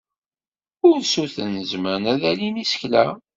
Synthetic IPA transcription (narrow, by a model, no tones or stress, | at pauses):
ʊɾnsuθənːəzməɾnæðælinisə̥çlæ̰